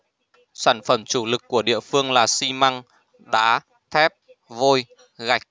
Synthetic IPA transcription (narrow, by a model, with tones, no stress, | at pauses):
saː˧˩nfə˧˩mt͡ɕu˧˩lɨ˨˩kːu˧˩əɗḭ˧˨əfɨ˧əŋlaː˨˩si˧ma˧ŋ | ɗaː˨˦ | t̪ʰɛ˦˥p̚ | vo˧j | ɣa˨˩jk̟̚